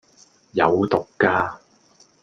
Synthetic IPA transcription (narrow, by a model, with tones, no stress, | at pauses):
jɐ˨˧wt̪ʊ˨kːaː˧